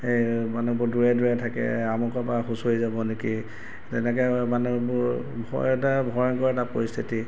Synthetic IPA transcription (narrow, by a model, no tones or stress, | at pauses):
ejmanubʊduɹɛduɹɛtʰakɛ̰amɔkɔpaxusojzabɔneki | tɛnɛk̬ɛmanubʊ | bʱɔ̰ɛtabʱɔɹɔnkɔɹɛtapoɹist̪ʰiti